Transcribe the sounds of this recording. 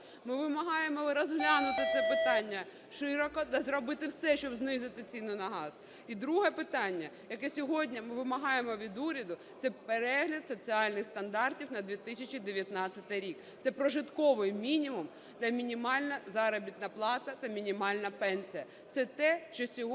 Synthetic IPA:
mɪʋɪmɐɦɑjemɔɾɔzɦlʲanʊt̪ɪt̪sɛpɪt̪ɑnʲːɐ | ʃɪɾɔkɔt̪ɐzɾɔbɪt̪ɪwsɛʃt͡ʃɔbznɪzɪt̪ɪt͡sʲinʊnɐɦɑz̥ | id̪ɾuɦɛpɪt̪ɑnʲːɐjɐkɛsʲɔɦɔdʲnʲɐmɪʋɪmɐɦɑjemɔʋʲid̪uɾʲɐd̪ʊt̪sɛpeɾɛɦlʲɐt̪sɔt͡sʲiɑlʲnɪxst̪ɐnd̪ɑrtʲiwnɐd̪ʲʋʲit̪ɪsʲɐt͡ʃid̪eʋʲjɐt̪nɑt͡sʲːɐt̪ɪjɾʲik | t̪sɛpɾɔʒɪt̪kɔʋɪjmʲinʲimʊm | t̪ɐmʲinʲimɑlʲnɐzɑɾɔbʲit̪nɐplˠɑt̪ɐt̪ɐmʲinʲimɑlʲnɐpɛnʲsʲijɐ | t̪sɛt̪ɛʃt͡ʃɔsʲɔɦ

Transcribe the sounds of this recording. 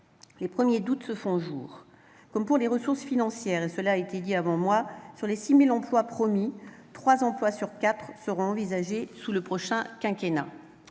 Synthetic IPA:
lepχəmjed̪ut̪səfɔ̃ʒṵːʁ | kɔmpuʁleʁəsuʁsfinɑ̃sjɛʁesəlaːet̪ed̪iavɑ̃mwasyʁlesimilɑ̃plwapχɔmit̪χwazɑ̃plwasyʁkʲat̪χsəʁɔ̃ɑ̃vizaʒesuləpχɔʃɛ̃kʲɛ̃kʲena̰

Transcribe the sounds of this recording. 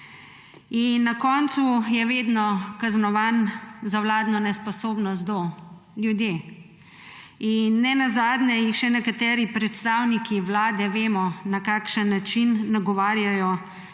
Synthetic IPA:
inːakɔːnt̪sujɛʋeːd̪nɔkaznɔʋanzawlaːd̪nɔnɛspɔsoːbnɔst̪d̪ɔ | ljud̪jeː | inːɛnazaːd̪njɛjixʃɛnɛkat̪ɛːɾipɾɛt̪st̪aːwnikʰiʋlaːd̪ɛʋeːmɔnakaːkʃənːat͡ʃinːaɡɔʋaːɾjajɔ

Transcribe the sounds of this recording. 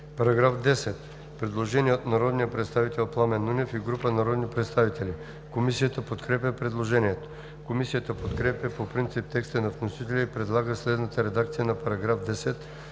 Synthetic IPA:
pɐɾaɡɾafd̪ɛsɛt̪ | pɾɛd̪lˠoʒɛniɛot̪naɾɔd̪nijəpɾɛt̪st̪avit̪ɛlˠplˠamɛnunʲɛfiɡɾupənaɾɔd̪nipɾɛt̪st̪avit̪ɛli | komisijət̪əpot̪kɾɛp̬ʲjəpɾɛd̪lˠoʒɛniɛt̪o̥ | komisijət̪əpot̪kɾɛpʲjəpopɾint̪sip̚t̪ɛkst̪ənɐfnosit̪ɛlʲɛipɾɛd̪lˠaɡəslɛd̪nət̪əɾɛd̪akt̪sijənɐapɐɾɐɡɾafd̪ɛsɛt̪

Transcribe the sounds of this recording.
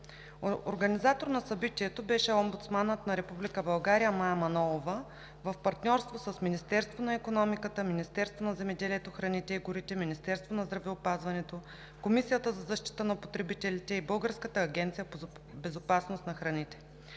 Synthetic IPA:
o̰ɾɡɐnizat̪oɾnɐsɐbit̪iɛt̪obɛʃɛɔmbut̪smanət̪nɐɾɛpublikəbɐlˠɡaɾijəmajɐmɐnɔlˠovə | vəfpɐɾt̪nʲɔɾst̪vosəsminist̪ɛɾst̪vonɐɛkonɔmikət̪əminist̪ɛɾst̪vonɐzɛmɛd̪ɛliɛt̪oxɾɐnit̪ɛiɡʊɾit̪ɛminist̪ɛɾst̪vonɐzd̪ɾɐvɛʊpazvɐnɛt̪o | komisijət̪əzɐzɐʃt̪i̥t̪ənɐpot̪ɾɛbit̪ɛlit̪ɛibɤlˠɡəɾskət̪əːɡʲɛnt̪sijə | bɛzopasnost̪nɐxɾɐnit̪ɛ̥

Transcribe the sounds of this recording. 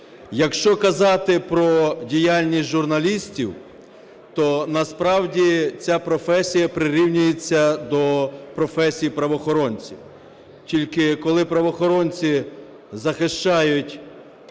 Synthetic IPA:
jɐkʃt͡ʃɔkɐzɑt̪ɪpɾɔdʲijalʲnʲisʲtʲʒʊrnɐlʲisʲtʲiw | t̪ɔnɐspɾɑwdʲit͡sʲapɾɔfɛsʲijɐpɾɪɾʲiwnʲʊjet͡sʲːɐd̪ɔpɾɔfɛsʲijpɾɐʋɔxɔɾɔnʲt͡sʲiw | tʲilʲkɪkɔlˠɪpɾɐʋɔxɔɾɔnʲt͡sʲi | zɐxɪʃt͡ʃɑjʊtʲ

